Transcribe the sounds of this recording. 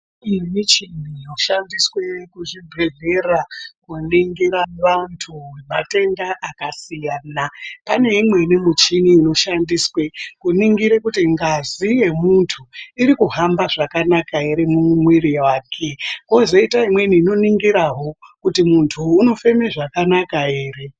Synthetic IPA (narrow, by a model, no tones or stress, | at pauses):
imit͡ʃinijoʃandiswe̞kuʐibʱe̞ɮe̞rakuniŋɡiɾaʋantʰuwemate̞ndaʔakasijaːnapane̞imwe̞nimut͡ʃiniːno̞ʃandiswe̞kuniŋɡiɾe̞kutiŋɡazije̞muntʰuiɾikuɦambaʐakanakae̞ɾemumumwiɾiwaːkʰekozoitaimwe̞niːno̞niŋɡiɾaɦo̞kutimuntʰuːno̞fe̞meʐakanakae̞ːre̞